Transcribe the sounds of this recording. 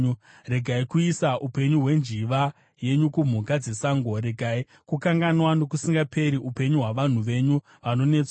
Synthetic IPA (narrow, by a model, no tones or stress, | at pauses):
re̞ɡʱaikuisaʔupe̞ɲuɦwe̞nd͡ʒiʋa | je̞ɲukum̤ukad͡ze̞saːŋɡo̞ɾe̞ɡʱai | kukaŋɡanwano̞k̬usiŋɡapʰe̞ɾiʔupe̞ɲuɦwaʋan̤uʋe̞ɲu | ʋano̞ne̞ːt͡swa